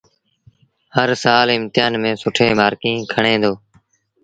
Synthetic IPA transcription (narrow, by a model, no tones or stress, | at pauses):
həɾsaːlɪmt̪ɪjaːnmẽːsʊʈʰeːmaːɾkĩːkʰəɳẽːd̪oː